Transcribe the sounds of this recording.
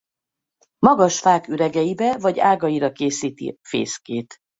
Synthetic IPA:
mɒɡɒʃfaːkyɾɛɡɛjibɛvɒɟaːɡɒjiɾɒkeːsiːt̪ḭfḛːskeːt̪

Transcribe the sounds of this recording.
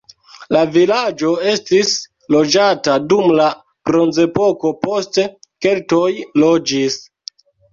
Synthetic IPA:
lavilad͡ʒo̞e̞stis | lo̞d͡ʒatadumla | bɾo̞nze̞po̞ko̞po̞ste̞ke̞lto̞jlo̞d͡ʒis

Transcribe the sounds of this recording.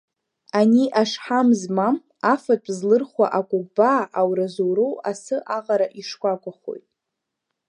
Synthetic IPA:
aniʔaʂħamzmam | afapʷʼzlɨrχwaʔakʷʼuk̚ʼbaːʔawɾazowɾowasɨʔaʁaɾaʔiʂkʷakʷʼaχo̞̰jtʼ

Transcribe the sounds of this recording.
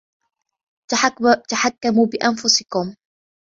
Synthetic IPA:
t̪aħakːamuːbɪʔanfʊsɪkʊm

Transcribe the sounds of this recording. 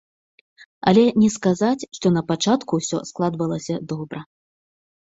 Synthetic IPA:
ɐ̰lʲɛnʲɛskazat͡sʲʂt̪ɔnɐpat͡ʂat̪kuːsʲɔ̰sklˠad̪vɐlˠɐsʲɐd̪ɔbɾɐ

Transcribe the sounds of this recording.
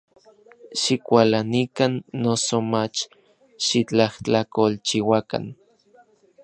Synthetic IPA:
ʃikʷalanikanːosomat͡ʃ | ʃit͡ɬaht͡ɬakolt͡ʃiwaka̰n

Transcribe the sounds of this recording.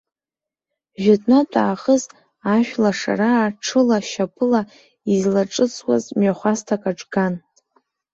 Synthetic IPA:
ʒᶣatʼnatʼaːχəz | aʃᶣlaʂa̰ɾaːʈ͡ʂʰɨlaʃapʰɨla | izlaʈ͡ʂʼɨt͡sʰʼwa̰zmɥaχʷastʰakʼaʈ͡ʂʼɡan

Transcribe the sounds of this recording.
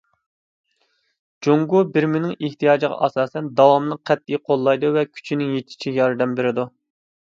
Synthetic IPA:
d͡ʒoŋɡubɪɾmɪnɪŋeht̪ijɑːd͡ʒɨʁɑ̰ʔɑsɑːsɛnd̪ɑwɑmnəqʰːɛt̪ːijqʰolˠːɑjd̪uvɛkʲʰy̥t͡ʃʰinɪŋjet̪ʰɪ̥t͡ʃʰijɑɾɨd̪ɛmbɪɾɪd̪u

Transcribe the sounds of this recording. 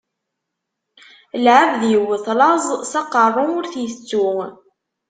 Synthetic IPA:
lʕəvðjəwːəθlɑzˤsɑqərˤːʊʊɾθjət͡sːu

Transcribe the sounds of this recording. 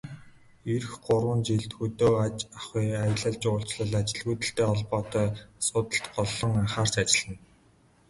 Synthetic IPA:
erxɢʊɾwə̆nt͡ɕiɮt̪xɵt̪oːat͡ɕaχiːajə̆ɮə̆ɮt͡ɕʊːɬt͡ɕɮə̆ɮat͡ɕɪ̆ɮɣuːt̪ə̆ɬt̪eːɔɮpɔːt̪œːsʊt̪ə̆ɬt̪ɢɔɮːɞ̆ŋaχaːr̥t͡ɕat͡ɕɪ̆ɮə̆n

